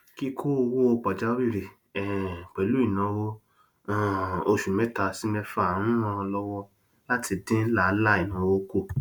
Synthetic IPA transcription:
ki˦kʰo˦o˧wo˦o˧k͡pa˨d͡ʒa˦wi˦˨ɾe˨ | ɛ˨k͡pɛ˨lu˨˦i˦˨nã˨˧˦wõ˦˨ | o˧ʃu˨mɛ̃˦ta˧si˦mɛ˧fa˧˦˨n̩ũ˦mɔ̃˧lɔ˦wɔ˦ | la˦tʰi˧dẽ˦la˦˨˦la˦˨i˨nã˨˦wo˦ko˦˨

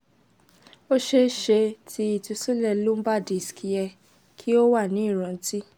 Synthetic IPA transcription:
o˦ʃe˧ʃe˧tʰi˧i˨tu˧su˦lɛ˧lu˦m̩˦ba˦˨di˨skʰi˧jɛ˧ | kʰi˦o˦wa˦˨nĩ˨˦i˦˨ɾ̃ɔ̃˧n̩˦ti˦

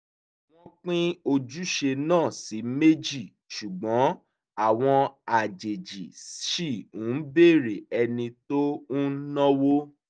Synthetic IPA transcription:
w̃ɔ̃˧k͡pĩ˦o˧d͡ʒu˦ʃe˧nãː˦˨si˨˦me˦d͡ʒi˦˨ | ʃu˨ɡ͡bɔ̃˨˦ | a˦˨w̃ɔ̃˧a˨d͡ʒe˨d͡ʒḭ˨ʃi˦˨ũ˨˦be˦˨ɾe˨ɛ˧nĩ˧to˦ũ˦nɔ̃˦wo˦

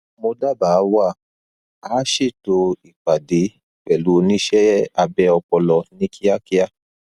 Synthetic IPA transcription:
mo˧da˦˨ba˨˦wa˦˨ | aː˨˦ʃi˦˨to˧i˨k͡pa˨de˨˦ | k͡pɛ˨lu˨˦˧nĩ˦ʃɛ˦a˧bɛ˧˦ɔ˧k͡pɔ˧lɔ˧nĩ˦kʰi˦a˦ki˦a˦˨

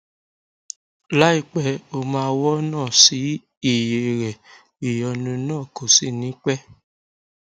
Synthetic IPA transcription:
la˦i˦˨k͡pɛ˧˦o˧mãː˦˧˦wɔ˦nãː˦˨si˨˦ | i˦˨je˨ɾɛ˨ | i˨jɔ˧nũ˧nãː˦˨ko˨si˦˨nĩ˨˦k͡pɛ˦

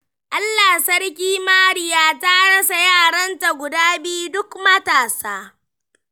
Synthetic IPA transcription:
ʔa˦lːaː˨sɐ˦ɽk̬ʲiː˦maː˦ɽɪ˦jaː˦ta˦ɽɐ˦sa˨jaː˦˨ɽɐ˦nta˨ɡʷʊ˨daː˦bi˦u˦dʊ˦kmɐ˦taː˨saː˦

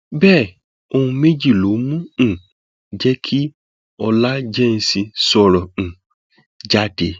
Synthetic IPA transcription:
bɛː˦˨ | o˦˧hũ˧me˦d͡ʒi˦˨lo˨˦mũ˦ñ̩˨ | d͡ʒɛ˦kʰi˦ | ɔ˦la˦d͡ʒɛ˦n̩˦si˧sɔ˨ɾɔ˨ñ̩˨ | d͡ʒa˦de˨

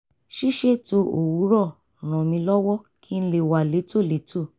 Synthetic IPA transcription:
ʃi˦ʃe˦to˧o˨wu˨˦ɾɔ˦˨ | ɾ̃ã˨mĩ˧lɔ˦wɔ˦kʰi˦n̩˧˦le˦˨wa˨le˨˦to˦˨le˨˦tʰo˦˨

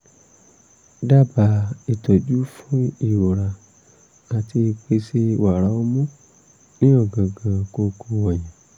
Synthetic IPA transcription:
da˦˨ba˨˦i˨tɔ˨d͡ʒu˦fũ˦i˦˨wo˨ɾa˨ | a˨ti˧e˧k͡pe˧si˦wa˨ɾa˧˦o˧mũ˦ | nĩ˦ɔ˦˨ɡã˨ɡã˨ko˧kʰo˧wɔ˨jĩ˨

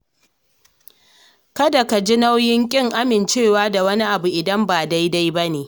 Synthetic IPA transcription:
kɐ˦da˨ka˨d͡ʒi˦na˦wjɪ˦ŋkʲʼɪ˦ŋʔa˦mɪ˨nt͡ʃeː˦˨waː˦da˨wɐ˦ni˦ʔa˨bu˨ʔɪ˨dɐ˦mbaː˨da˦jda˦jba˦neː˨

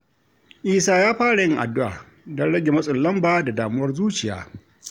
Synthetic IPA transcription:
ʔiː˦saː˦jaː˦ɸaː˦ɽa˨jɪ˦ŋʔa̰˨dːʊ˦ʔa̰ː˨ | dɔ˦nɽɐ˦ɡʲe˨mɐ˦sʼʊ˨llːɐ˦mbaː˦da˨daː˨mʊ˦wɐ˦rzuː˦t͡ʃɪ˨ja̰ː˦

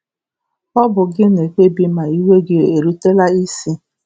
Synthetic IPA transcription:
k͡pɔ˦bʊ˨ɡɪ˦ne˨k͡pe˦bi˦ma˨i˦we˦ɡe˦e˨ɾu˦te˦la˦i˦si˦

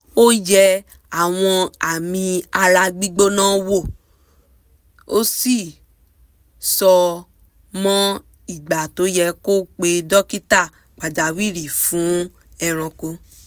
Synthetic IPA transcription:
o˦jɛ˧ | a˦˨w̃ɔ̃˧a˨mĩ˧a˧ɾa˧ɡ͡bi˦ɡ͡bo˦nãː˦wo˦˨ | o˦si˦˨ | sɔ˧ | mɔ̃˦ | i˦˨ɡ͡ba˨to˨˦jɛ˧ko˦k͡pe˧dɔ˦ki˦ta˦˨ | k͡pa˨d͡ʒa˨wi˦˨ɾi˨fũ˨˦ | ɛ˧ɾ̃ɔ̃˧ko˧

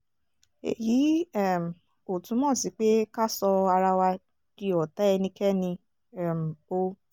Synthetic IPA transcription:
ḛ˨ji˨˦ɛ˦˨m˨ | o˨tũ˨˦mɔ̃ː˦˨si˨˦k͡pe˦ka˦sɔ˧a˧ɾa˧wa˧ | ki˦ɔ˨ta˨˦ɛ˧nĩ˧kɛ˦nĩ˧ | ɛ˦˨m̩˨o˦

